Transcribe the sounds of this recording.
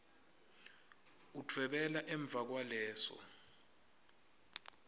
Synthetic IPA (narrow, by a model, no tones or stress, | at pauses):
utʰwɛɓɛlaʔɛɱb̪vʱak̬walɛːsɔ̰